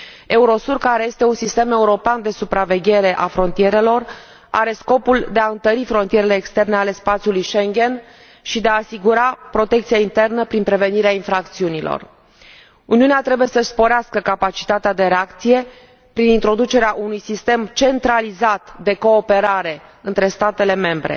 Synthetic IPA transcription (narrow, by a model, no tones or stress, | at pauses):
e̞uɾo̞surkaɾeje̞st̪e̞unsist̪eme̞uɾo̞peand̪e̞supɾave̞ɡʲe̞ɾe̞ʔafɾo̞nt̪ije̞ɾe̞lo̞r | a̰ɾe̞sko̞puld̪e̞aɨnt̪əɾifɾo̞nt̪ijeɾele̞ːkst̪e̞rne̞ale̞spat̪sʲjulujʃe̞ŋɡʲe̞n | ʃid̪eaːsiɡuɾapɾo̞t̪e̞k̚t̪sijaint̪e̞rnəpɾinpɾe̞ve̞niɾeainfɾakt̪siunilo̰r | uniuneat̪ɾe̞buje̞səspo̞ɾeaskəkapat͡ʃi̥t̪at̪ead̪e̞ɾeakt̪sije̞ | pɾinint̪ɾo̞d̪ut͡ʃe̞ɾeaʔunujsist̪e̞mt͡ʃe̞nt̪ɾalizat̪d̪e̞ko̞ːpe̞ɾaɾe̞ɨnt̪ɾe̞st̪at̪e̞le̞me̞mbɾḛ